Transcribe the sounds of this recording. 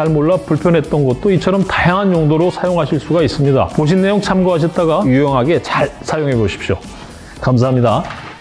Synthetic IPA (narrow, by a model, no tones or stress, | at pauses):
aɭmoɭːapuɭpʰjʌnɦe̞t̚t͈ʌnɡʌt̚t͈oit͡ɕʰʌɾʌmtajaŋɦanjoŋdoɾosʰajoŋɦaɕʰiɭs͈uɡais͈ɯmɲida̰poɕ̬ʰinːe̞joŋt͡ɕʰamɡoɦaɕ̬ʰʌt̚t͈aɡajujʌŋɦaɡe̞t͡ɕaɭsʰajoŋɦe̞boɕʰi̥pɕ͈jo̰ | kams̬ʰaɦamɲida